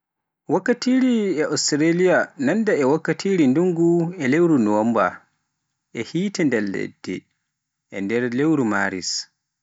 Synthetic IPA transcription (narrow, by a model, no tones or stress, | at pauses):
wakːatiːɾiɛʔɔstɾelijanandaɛwakːatʰiːɾinduŋɡuɛlewɾunɔɔmba | ʔɛhiːtɛndɛllːɛ̰dːɛ̰ | ʔɛ̰ndɛɾlewɾumaːɾḭs